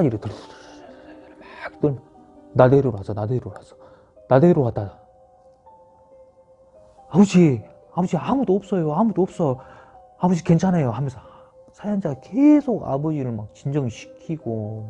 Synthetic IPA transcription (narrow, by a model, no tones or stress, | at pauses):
iɾɯtɯɾ | makt͈ɯn | nadeɾoɾasʰʌnadeɾowasʰʌ̥ | nadeɾowad͈a | abʌd͡ʑi | abʌd͡ʑiamudoːp̚s͈ʌjoamudoʌp̚s͈ʌ | abʌd͡ʑike̞nt͡ɕʰanajoɦamjʌnsʰʌ | sʰajand͡ʑaɡakesʰoɡa̰bʌd͡ʑiɾɯɭmak̚t͡ɕind͡ʑʌŋiɕʰi̥kʰiɡ̥o